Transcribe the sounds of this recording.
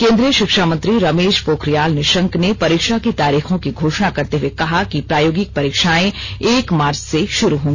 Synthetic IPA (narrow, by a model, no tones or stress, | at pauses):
kẽːnd̪ɾijəʃɪkʃamə̃nt̪ɾiɾɐmeːʃpoːkɾijaːlneʃɐ̃ŋknepɐɾiːkʃakit̪aːɾiːxõkiɡʱoːʃnakɐɾt̪eɦuwekɐɦakipɾaːjoːɡɪk̚pɐɾiːkʃaːẽeːkmaːɾt͡ʃseʃʊɾuɦõːŋɡ